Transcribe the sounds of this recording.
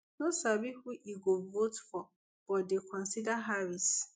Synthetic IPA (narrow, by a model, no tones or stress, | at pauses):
nosabihuʔiɡovotfɔ | b̥ɔdekʰɔ̃nsidaɦavis